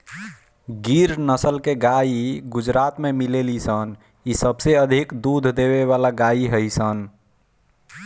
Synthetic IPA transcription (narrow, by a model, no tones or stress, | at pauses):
ɡiɾnəsəlkeɡaiɡud͡ʒɾat̪memilelisən | isəbseəd̪ʱikd̪ud̪ʱd̪eβeβalaɡaiɦəjsən